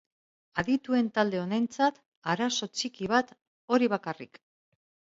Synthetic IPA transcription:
aðit̪ue̞nt̪ald̪e̞o̞nent͡sat̪ | aɾaso̞t͡ʃikiβ̞at̪ | o̞ɾiβakarḭk

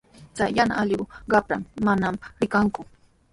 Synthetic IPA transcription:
t͡sajjana̰ʔaʎɪwɢɑpɾa̰mːanamɾɪkaŋkʊ

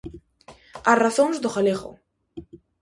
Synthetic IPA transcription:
araθonzd̪oxalexo̰

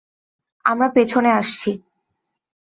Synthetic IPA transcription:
amɾapet͡ɕʰoneaʃt͡ɕʰi

